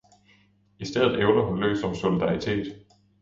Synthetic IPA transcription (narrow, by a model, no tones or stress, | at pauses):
isd̥eð̰ˠð̩ˠeʊnɐɦunlø̰ːsɒ̽mso̝lid̥ɑ̈it͡sʰe̝̰ːd̥